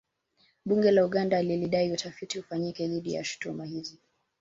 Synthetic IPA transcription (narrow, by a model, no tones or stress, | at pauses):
ɓuŋɡɛlauɠandaliliɗaiutafitihufaɲikɛðiɗija̰ʃu̥tumahizi